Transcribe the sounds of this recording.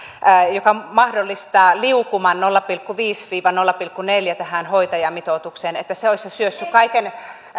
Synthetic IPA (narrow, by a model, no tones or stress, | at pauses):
jokɑmɑhdolːist̪ɑːliukumɑnnolːɑpilkːuʋiːsʋiːʋɑnolːɑpilkːuneljæt̪æhænhoit̪ɑjɑmit̪ot̪ukseːnet̪ːæseoisesyøsːykkɑiken